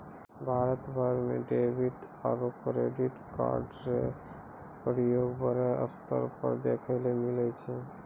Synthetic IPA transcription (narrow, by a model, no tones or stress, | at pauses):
bʱaɾət̪bʱəɾmḛɖebʱiʈ | aɾopɾeɖiʈka̰ɾɖɾe | pɾijoɡbəɾeʔə̰st̪ə̰ɾpə̰ɾd̪ekʰəlemilɛt͡ʃʰɛ